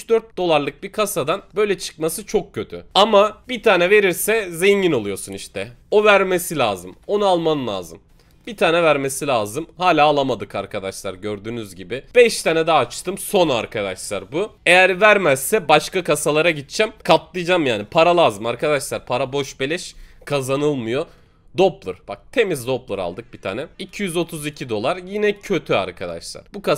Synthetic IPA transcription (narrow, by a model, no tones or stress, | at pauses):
yt͡ʃd̪øɾt̪̚d̪o̞lˠaɾlˠɯk̚bikʰasad̪anbø̞jlʲɛt͡ʃʰɯ̥kmasɯt͡ʃʰo̞k̚cʰːø̞t̪ʰy̰amabit̪ʰaːnɛve̞ɾiɾsɛzeɲɟino̞lˠujo̞suniʃt̪ʰɛ | o̞væɾme̞silʲaːzɯmo̞nualˠmanlˠa̰ːzɯm | b̥it̪ʰaːnɛvæɾme̞silʲaːzɯmhaːlʲaːlˠamad̪ɯkaɾkʰad̪aʃlˠa̰ɾɟøɾd̪yːnyzɟibɪb̥ɛʃt̪ʰanɛd̪aːt͡ʃt̪ʰɯmso̞na̰ɾkʰad̪aʃlˠa̰ɾbue̞jæɾvæɾmæsːɛbaʃkakasalˠaɾaɟit̪̚t͡ʃʰæmkʰap̪lˠɯjd͡ʒamjaːnipʰaɾalˠaːzɯmaɾkʰad̪aʃlˠaɾpʰaɾabo̞ʃbelʲɛʃkʰazanɯlˠmɯjo̞ | d̪o̞plˠɯɾb̥ak̚t̪ʰe̞mizd̪o̞plˠɯɾa̰lˠd̪ɯk̚bit̪ʰa̰ːnɛicʰijyzo̞t̪ʰuzicʰid̪o̞lˠaɾjinɛcʰø̞t̪ʰya̰ɾkʰad̪a̰ʃlˠa̰ɾbuka